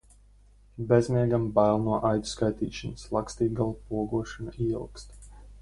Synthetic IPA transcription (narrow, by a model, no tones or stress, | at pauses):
bɛzmiɛɡambajlˠnuɔʔajd̪u̥skajt̪iːʃanslˠakst̪iːɡalˠpuɔɡuɔʃanaiḭlˠkst̪